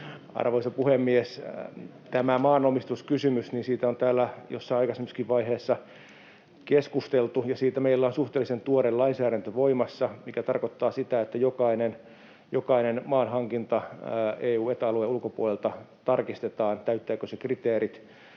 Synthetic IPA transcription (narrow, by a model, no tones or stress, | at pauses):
ɑ̰rʋoisɑpuhemːies | t̪æmæmɑːnomist̪uskysymysniːnsiːt̪æont̪æːlːæjo̰sːɑiɑikɑsemːiskiʋʋɑiheːsːɑ | keskust̪elt̪ujɑsiːt̪æmeilːæonsuht̪eːlːisent̪uoɾelɑinsæːɾænt̪øʋoimɑsːɑmikæt̪ɑrkot̪ːɑːsit̪æet̪ːæjokɑinen | jokɑinenmɑːnhɑŋkint̪ɑeːuːet̪ɑlueulkopṵolelt̪ɑ | t̪ɑrkist̪et̪ɑːnt̪æyt̪ːæːkosekrit̪eːrit̪